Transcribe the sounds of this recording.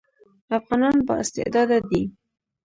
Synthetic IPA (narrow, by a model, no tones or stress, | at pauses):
afɣɑnɑnbə̰ɪst̪ɪ̰ʔd̪ɑd̪ad̪i